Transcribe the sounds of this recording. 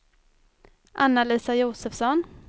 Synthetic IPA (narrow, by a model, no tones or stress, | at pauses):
ʔanːaliːsajuːsəfsɔn